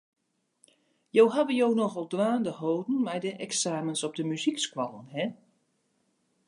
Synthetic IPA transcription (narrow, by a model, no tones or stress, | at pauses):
jowɦaʋəjoːnɔxɔlˠdʋaːndəhoːdn̩mɛjdəʔɛksaːmənsɔp̚dəmyzikskwɔlˠənhɛ